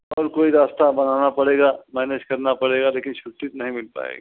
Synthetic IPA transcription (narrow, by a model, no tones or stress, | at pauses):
ɔːɾkoːiɾaːst̪abɐnaːnapɐɽeːɡamɛːned͡ʒkɐɾnapɐɽeːɡaleːkɪnʃʊʈːit̪nɐɦĩmɪlpa̰ːḛːɡḭ